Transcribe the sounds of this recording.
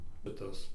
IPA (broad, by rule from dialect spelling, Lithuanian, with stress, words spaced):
bʲɛt ˈtɐs